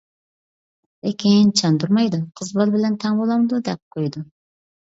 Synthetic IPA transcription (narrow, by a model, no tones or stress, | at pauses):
ekʲʰint͡ʃʰɑnd̪uɾmɑjd̪uqʰəzbɑlˠbɪlɛnt̪ʰɛŋbolˠɑmd̪ud̪ɛp̚qʰojd̪u